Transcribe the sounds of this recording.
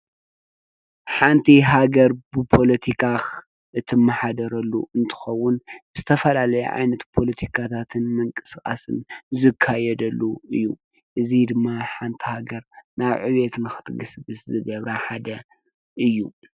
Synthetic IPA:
ħant̪ʰiɦaɡɐɾbɨpʰo̞lɐt̪ʰikʰax | ʔɨt̪ʰɨmːaħad̪ɐɾɐlːṵɨnt̪ʰɨ̥xɐwːʊnz̥ɨt̪ʰɐfɐlalɐjɛ̰ʕa̰jnɐt̪pʰo̞lɐt̪ʰikʰat̪ʰat̪ʰɨnmɨŋkʼɨ̥skʼa̰sɨ̰nzɨkʰːajɛd̪ɐlːuɨjːu | ʔɨzid̪ɨmːaħant̪ʰihaɡɐɾnaβʕɨ̰βet̪nɨxɨ̥t̪ɡɨsɡɨszɨɡɐβɾaħad̪ɐ | ʔɨjːu

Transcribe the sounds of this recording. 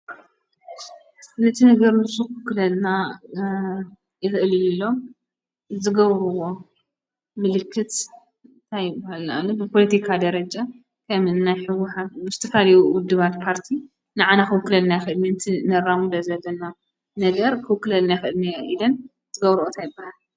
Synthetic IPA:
nɨt̪ʰinɐɡɐɾnɨsukɨwkːɨlɐlna | jɪxʔɨllːo̞m | zɨɡɐβɾuwo̞ | mɨlɨkːɨt̪ | t̪ʰajɪbahala̰lubɨpʰolɐt̪ʰikʰad̪ɐɾɐd͡ʒa | kʰɐmɨnnajħɨwːʊħat̪̚mɨst̪ʰɨfaliwuwʊd̪ːɨβat̪pʰaɾt̪ʰi | nɨʕanakɨwɨkːɨlɐlnajxɨd̪minɨt̪ʰinɐɾamud̪ɐzɐlːɐna | nɐɡɐɾkʰɨwɨkːɨlɐlnajɪxɨʔɨlniʔilɐn | zɨɡɐβɾuʔot̪ʰajɪbːahal

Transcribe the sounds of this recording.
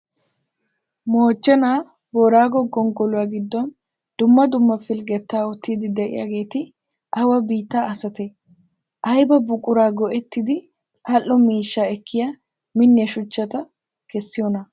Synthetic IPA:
moːt͡ʃːɛnaː | bɔɾaːɡɔɡɔŋɡɔlʊwaːɡɪd̪ːɔn | d̪̥ʊmːɐd̪ʊmːɐfɪlɡɛt̪ːaːɔt̪ːiːd̪ɪd̪ɛʔɪ̰ja̰ːɡe̞ːt̪ɪ | ɐwɐbiːt̪ːaːɐsɐt̪ɛ | ʔɐjbɐbʊkʼːʊɾaːɡɔʔɛt̪ːɪd̪ɪ | ʔɐlʔːɔmiːʃːaɛkːɪjɐ | mɪnːɪɐʃʊt͡ʃːɐt̪ɐ | kɛsːɪjɔnɐ

